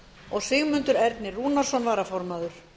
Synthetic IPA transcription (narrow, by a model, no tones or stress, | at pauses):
ɔɣsɪɣmʏnt̪ʏɾɛɾt̪nɪruːnaɾ̥sɔnvaːɾafɔɾmaðʏɾ̥